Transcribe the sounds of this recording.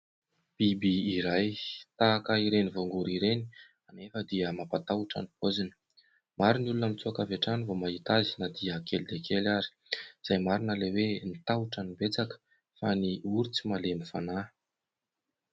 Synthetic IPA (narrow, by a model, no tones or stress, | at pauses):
b̥ibiːɾajt̪aːkaiɾenivoŋɡuɾiɾeni̥ | anefəd̪iəmapat̪auʈ͡ʂa̰nipozinə̥ | maɾinulunəmit͡suakaveʈ͡ʂanivomaɦit̪azinad̪iəkeld̪ekʰelaɾi̥z̥ajmaɾinəlewenit̪auʈ͡ʂanibet͡sakə̥ | faniuɾit͡simalemifana